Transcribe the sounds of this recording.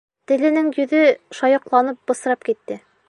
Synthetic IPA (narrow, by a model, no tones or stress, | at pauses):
t̪ɘ̆lɘ̆nɘŋjɵ̆ðɘʃɒjɤ̆qlˠɑnɤp̚bɤ̆s̆ɾɑp̚kit̪ːɘ